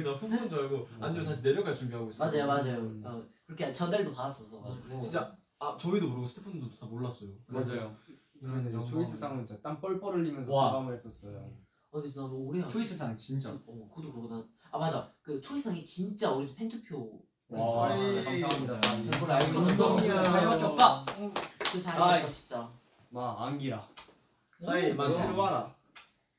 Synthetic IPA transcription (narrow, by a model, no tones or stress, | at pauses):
etasʰumpʰond͡ʑʌaɡoad͡ʑiment̬aɕʰine̞ɾjʌɡat͡ɕumbiɦaɡois͈mad͡ʑajomad͡ʑajotakɯɾʌkʰet͡ɕʌndeɭdopadas͈ʌsʰʌɡad͡ʑiɡoint͡ɕa | at͡ɕʌidomoɾɯɡosʰtʰepʰondootamoɭːas͈ʌjomad͡ʑajo | kɯɾʌmes̬ʰʌt͡ɕʰois͈ɯs͈ʰaŋɯnt͡ɕat͈anp͈ʌɭpʰʌɾɯɭːimjʌns̬ʰwaamɯɦes͈ʌs͈ʌjo | ajɡes͈ʰʌnaouɾeat͡ɕʰois͈ɯsʰaŋit͡ɕint͡ɕ͈aʌkɯɡdokɯɾʌkonaamad͡ʑakɯt͡ɕʰois͈ʰaŋit͡ɕint͡ɕ͈aoɾisʰʌpʰentʰɯpʰjo | akasʰaŋamidaat͡ɕʰʌnpʰoɾɯɭajkʌsʌʌaemʌʌt͈a | kɯt͡ɕaaɕʰi̥t͡ɕ͈a | maːŋɡiɾa | saimansʰeɾuaɾa